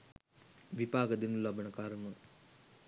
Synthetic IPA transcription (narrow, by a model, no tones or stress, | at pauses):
ʋipaːɡəd̪enulːabənəkaɾənə